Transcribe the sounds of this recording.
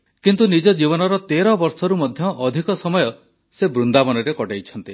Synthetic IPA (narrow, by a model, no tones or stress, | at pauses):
kint̪unid͡ʒɔd͡ʒibɔnɔɾɔt̪eɾɔbɔɾsɔɾumɔd̪ʱjɔʔːd̪ʱikɔsɔmɔjɔ | sebɾund̪abɔnɔɾekɔʈajt͡ʃʰɔnt̪i